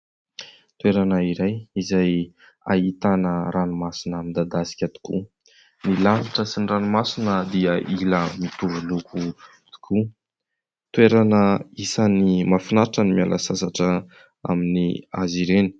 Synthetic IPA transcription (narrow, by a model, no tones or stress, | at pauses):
t̪ueɾanəiɾajizaj | a̰it̪anəɾanumasinamind̪ad̪asi̥kʲət̪i̥kʲṵ | nilaniʈ͡ʂəsinranumasinəd̪iəʔiləmit̪uvulukʰu | t̪i̥kʰu | t̪ueɾanəisanimafinaʈ͡ʂənimialʔa̰sasaʈ͡ʂə | a̰miniaziɾeni̥